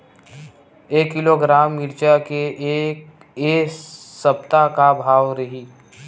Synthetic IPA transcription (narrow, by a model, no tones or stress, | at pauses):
eːkːɪloɡɾaːmːɪɾt͡ʃakeʔk | eːsɐp̚t̪akabʱaːʋɾɐɦiː